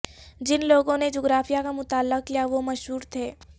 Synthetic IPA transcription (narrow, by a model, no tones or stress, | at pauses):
d͡ʒɪnloːɡõned͡ʒoːɡɾaːfʰijakamʊt̪aːlːək̚kijaʋomɐʃɦuːɾt̪ʰeː